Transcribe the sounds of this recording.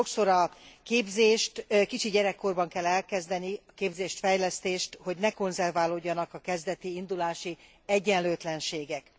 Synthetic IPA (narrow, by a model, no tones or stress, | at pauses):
o̞kso̞ɾɒkeːbzeːʃt̪kit͡ʃiɟɛɾɛkːo̞rbɒŋkɛlːɛlkɛzd̪ɛniɒkeːbzeːʃt̪fɛjlɛst̪eːʃt̪ho̞ɟnɛko̞nzɛrvaːloɟːɒnɒkɒkɛzd̪ɛt̪iind̪ulaːʃi | ɛɟːɛnløːt̪lɛnʃeːɡɛk